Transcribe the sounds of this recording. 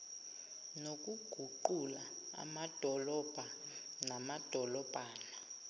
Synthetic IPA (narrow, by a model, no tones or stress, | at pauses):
nok̬ʼuɡ̥ʱuǃulaa̰mad̥ʱɔlɔb̥ʱa | namad̥ʱɔlɔb̥ʱaːna